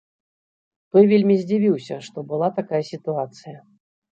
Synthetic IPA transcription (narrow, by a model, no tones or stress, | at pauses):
t̪ɔjvʲelʲmʲizʲd͡zʲivʲiwsʲɐʂt̪ɔbɨlˠat̪akajɐsʲit̪uat̪sɨjɐ